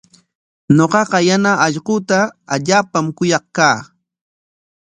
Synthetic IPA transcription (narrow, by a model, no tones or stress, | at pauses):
ɲoqɑqɑjanaʔɑʎqʊːt̪aːʎaːpamkʊjɑχkaː